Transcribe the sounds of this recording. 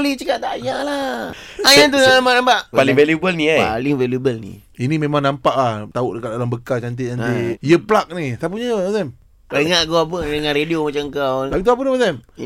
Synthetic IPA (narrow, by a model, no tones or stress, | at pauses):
lit͡ʃəkaʔ̚t̪ajaŋlaajant̪uamanampaʔppaliŋvelubəlniaa̰lɪŋvelubəlnḭ | inimemaŋnampaʔaht̪auʔdəkat̪̚dalambəkat͡ʃant̪̬et͡ʃaniijəplak̚nit̪ap̬uɲəmasɛm | paiŋaʔkoap̬ədəŋanɾediomat͡ʃaŋkawlapit̪uap̬ənimasam